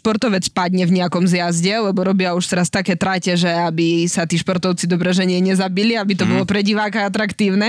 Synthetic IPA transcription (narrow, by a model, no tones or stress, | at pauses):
pɔɾt̪ɔʋɛt͡spad̪ɲɛvɲɛakɔmzjazɟɛlɛbɔɾɔbɪauʃt̪ɛɾast̪akɛːt̪ɾacɛʒɛabisat̪iːʃpɔɾt̪ɔʊt͡sid̪ɔbɾɛʒɛɲɪɛɲɛzabiliabit̪ɔbɔlɔpɾɛɟiʋaːkaat̪ɾakt̪iːʊnɛ